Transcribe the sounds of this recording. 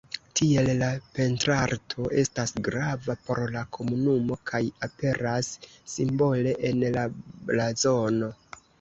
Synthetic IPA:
tʰie̞llape̞ntɾaɾtʰo̞ʔe̞stasɡɾavapo̞ɾlakʰo̞munumo̞kʰajape̞ɾasː | imbo̞le̞ʔenlablazo̞no̞

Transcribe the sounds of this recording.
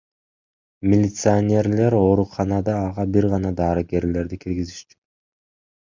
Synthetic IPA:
mʲɪlʲɪt̪sɨanʲe̞ɾle̞ɾo̞ːɾuqʰɑnɑd̪ɑːʁɑbiɾʁɑnɑd̪ɑːɾɯɡe̞ɾle̞ɾd̪ikʰiɾɡiziʃt͡ʃy̥

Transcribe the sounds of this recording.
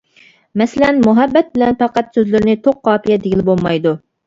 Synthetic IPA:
mɛsɪlɛnmuɦɛbːɛt̪̚bɪlɛnpɑqæt̪søzlɪɾɪnɪt̪ʰoqʰːɑːpʰijɛd̪eɡʲilɪbolˠmɑjd̪u

